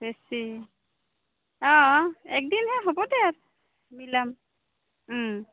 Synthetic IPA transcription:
b̥esi | ɔ̃ɛk̚dinhɛɦɔbɔdɛaɹ | milam̩

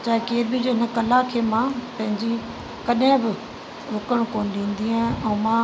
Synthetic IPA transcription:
t͡ɕaːɦɪkeːɾbid͡ʑoɦɪnə̆kɐlakʰeːmãpɐ̃ɦɪ̃ɲd͡ʑi | kɐɗɦɪ̃bɪ | ɾʊkəɽ̃koːnɪ̆ɗĩːn̆d̪iãɛ̃ːmã

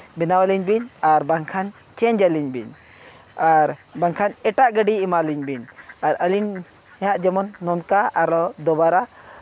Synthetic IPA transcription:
bɛnawaliɲbinaɾbaŋkʰan | t͡ʃɛɲd͡ʒaliɲbḭɲ | aɾ | baŋkʰanɛʈaʔɡəɖiimaliɲbiɲ | aɾəliɲ | ɛaʔd͡ʒɛmɔnːɔnkaaɾɔd̪ɔbaɾa

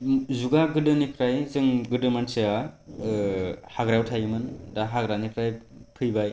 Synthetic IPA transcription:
zuɡaɡɯdɯnikʰɾajzɯŋɡɯdɯmanseja | haɡɾawtʰajɯmɯndaɦaɡɾanipʰɾajpʰɯjbaj

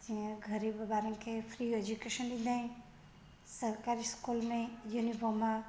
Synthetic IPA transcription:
t̪ĩãɡʱəɾibbaɾʌ̃ŋkʰepʰɾied͡ʒukeʃənlĩnd̪ʱaĩ | səɾkaɾiskulmejunipʰəma

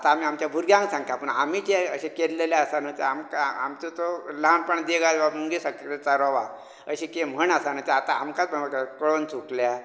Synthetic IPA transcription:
at̪aːmiamt͡ɕjabʱuɾɡjãŋksãŋkt̪apəɳamiːt̪eəɕekelleljaəsanət̪eamkaa̰mt̪ot̪oləɦanpəɳd̪eɡajʋamuŋɡesakɾet͡saɾɔʋa | əɕikem̤əɳəsan̤ət̪eat̪aa̰mkat͡spəɳakakəɭont͡suklja

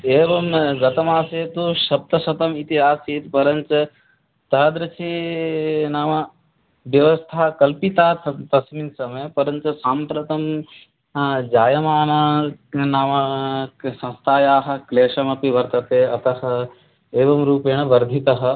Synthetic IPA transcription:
eːʋɐmɡɐt̪ɐmaːseːt̪uʃɐb̚t̪ɐsɐt̪ɐmit̪iɦaːseːt̪pɐɾɐɲt͡ʃɐ | t̪ɐɦɐd̪ɾɐt͡ʃʰi | naːʋɐ | ʋjɐʋɐst̪ʰaːkɐlpit̪aːt̪ʰt̪ɐsminsɐmɐjɐpɐɾɐɲt͡ʃɐsaːmpɾɐt̪ɐm | d͡ʒaːjɐmaːnɐnaːʋɐ | sɐ̃nst̪ʰaːjaːɦɐ̆kleːʂɐmɐpiʋɐɾt̪ɐt̪eːɐt̪ɐɦɐ̆ | eːʋɐmɾuːpeːɳɐʋɐɾd̪ʱit̪ɐɦɐ̆

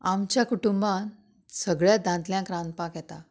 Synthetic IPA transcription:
amt͡ɕjakuʈumbãn | səɡɭjad̪ʱãnt̪ljãkɾãnpakjɛt̪a

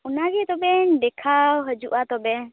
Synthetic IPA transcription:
ɔnaɡit̪ɔbɛnɖɛkʰawɦəd͡ʒuʔat̪ɔbɛ

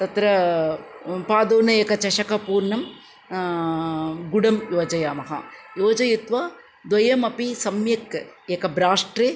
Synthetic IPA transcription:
t̪ɐt̪ɾɐ | paːd̪oːnɐjekɐt͡ʃɐʂɐkɐpuːɾɳɐm | ɡʊɽɐmjoːd͡ʒɐjaːmɐɦa̰ːjoːd͡ʒɐjut̪ʋaː | d̪wɐjɐmɐpisɐmjɐkːekɐbɾaːʂʈɾe

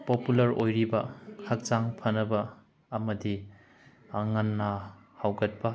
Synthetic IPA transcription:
populɐɾojɾibɐhɐk̚t͡ʃaŋpʰɐnɐbɐː | mɐdi | aŋanːɐ | hawɡɐt̚bɐ

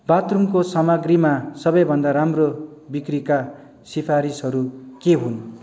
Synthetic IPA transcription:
bat̪ruŋkosʌmaɡrimasʌbʌjbʱʌnd̪aɾamrobikrika | sipʰaɾisɦʌɾukeɦun

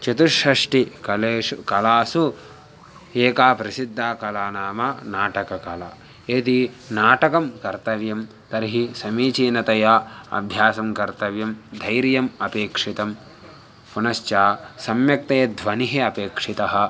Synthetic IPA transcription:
t͡ʃɐt̪uʂɐʂʈikɐleːukɐlaːsu | eːkaːpɾɐsid̪ʱːaːkɐlaːnaːmanaːʈɐkɐkɐlɐ̰ | eːt̪i | naːʈɐkɐmkɐɾt̪ɐʋjɐm | t̪ɐɾiɦisɐmiːt͡ʃiːnɐt̪ɐjaːɐ̰bʱjaːsɐmkɐɾt̪ɐʋjɐmd̪ʱɐjɾjɐmɐpeːkʂit̪ɐm | punɐst͡ʃaːsɐmjɐk̚t̪ɐjɐd̪ʱʋɐniɦeɐpeːkʂit̪ɐɦɐ̆

